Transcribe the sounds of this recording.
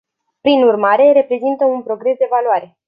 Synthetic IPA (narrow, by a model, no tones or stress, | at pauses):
pɾinurmaɾe̞ɾe̞pɾe̞zint̪əunpɾo̞ɡɾe̞sd̪e̞valuaɾe̞